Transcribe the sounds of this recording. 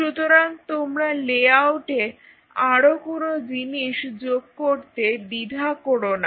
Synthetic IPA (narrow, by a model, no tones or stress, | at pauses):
ʃut̪oɾant̪omɾaleawʈe | aɽokonod͡ʑiniʃd͡ʑoɡ̚koɾt̪ebid̪ʱakoɾona